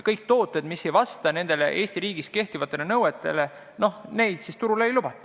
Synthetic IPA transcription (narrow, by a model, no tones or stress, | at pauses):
kɤjk̚t̪o̞ːt̪ːˑe̞d̪misːe̞jvɑst̪ɑne̞nd̪̥e̞le̞̰ʔe̞ːsʲt̪iɾiːɡ̥iske̞ht̪ivɑt̪ˑːe̞le̞nɤwet̪ːˑe̞̰le̞ | no̞hne̞jd̪̥sist̪uɾuleejlub̥ɑt̪ːˑɑ̥